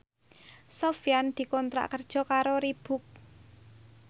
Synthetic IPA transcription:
sofijand̪̥i̤kɔnt̪ɾa̰ʔkərd̥ʒ̥ɔ̤kaɾoɾib̥ʊ̤k̚

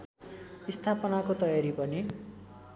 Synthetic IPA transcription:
ist̪ʰapʌnakot̪ʌjaɾipʌni

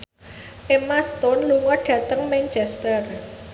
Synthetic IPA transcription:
ʔemast̪ɔnluŋɔɖ̥ä̤t̪əŋmɛnt͡ʃɛst̪ər

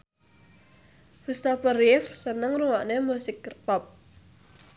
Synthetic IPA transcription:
fust̪apərifsənəŋruwaʔnemusɪk̚rpɔp̚

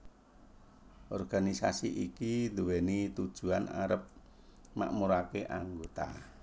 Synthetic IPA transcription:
ʔɔrɡ̥anisasiʔikind̪uwenit̪ud̥ʒ̥ṳana̰ɾəp̚ | ma̰ʔmuɾakeʔaŋɡot̪a̰

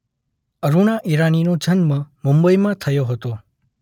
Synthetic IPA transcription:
əɾunaʔiɾaninod͡ʒənmãmʊmbəimãt̪ʰəjoɦət̪o

